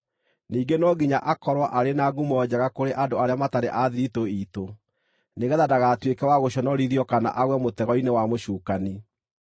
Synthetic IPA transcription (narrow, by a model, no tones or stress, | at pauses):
niːɡenɔɡiɲaʔakɔɾwaʔaɾenaɡumɔɔd͡ʑaɣakoɾeʔadoaɾeamataɾḛʔaðiɾitoiːto | neɣɛðadaɣaːtwekɛwaɣoɕɔnɔɾiðjɔkana̰ʔaɣwɛmotɛɣɔinewamoɕuːkani